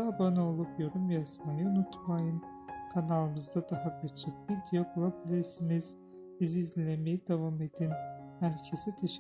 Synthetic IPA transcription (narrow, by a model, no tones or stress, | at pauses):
abanao̞lˠupjo̞ɾumjazmajɯunut̪ʰmajɯn | kʰanalˠɯmɯzd̪ad̪aɦabiɾt͡ʃʰokid̪ijabulˠabilʲiɾsimiz̥ | biziːzllʲemejid̪evame̞d̪inhæɾcʰesɛt̪ʰeʃ